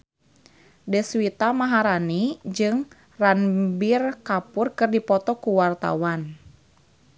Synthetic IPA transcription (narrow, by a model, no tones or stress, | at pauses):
dɛswit̪amaɦaɾanid͡ʒɨŋ | ranbirkapʊrkɨrdipɔt̪ɔkuwart̪a̰wan